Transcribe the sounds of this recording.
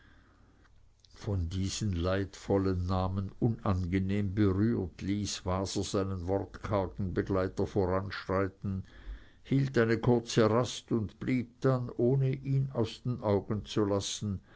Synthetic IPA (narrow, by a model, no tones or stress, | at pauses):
fɔndiːz̥ənlaɪtfɔlənːaːmənʊnʔanɡəneːmbəʁyːtʰliːsv̥aːzɐz̥aɪnənvɔʁtkʰaɐkn̩bəɡlaɪtɐfoːʁanʃʁaɪtn̩ | hiːltaɪnəkʰʊɐt͡səʁastʊndb̥liːp̚d̥anoːnəʔiːnaʊsd̥eːnʔaʊɡn̩t͡sulasn̩